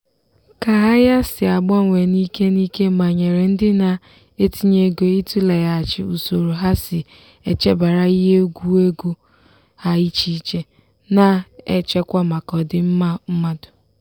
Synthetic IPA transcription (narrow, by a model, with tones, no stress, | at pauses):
ka˨ɦa˦ja˦sɪ˨a˨ɡ͡bɔ˦˨ŋʷe˨ni˦ke˦ni˦ke˦ma˨ɲe˨ɾe˨n̩˦dɪ˦na˨ | e˦ti˦ɲe˦ɡo˨i˦tu˦la˨ja˨a˨t͡ʃɪ̰˨u˨so˨ɾu˨ɦa˦sɪ˨ | e˨t͡ʃe˦ba˨ɾa˦i˦ɦe˦o˦ɡʷu˦e˦ɡu˦ | ha˦i˦t͡ʃi˦t͡ʃe˦ | na˨ḛ˨t͡ʃe˦kʷa˦ma˨kɔ˨dɪ˦m̩˦ma˦m̩˦ma˦dʊ˨